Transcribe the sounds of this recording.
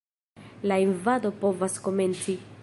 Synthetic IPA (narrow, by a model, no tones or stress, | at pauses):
lainvado̞po̞vasko̞me̞nt͡si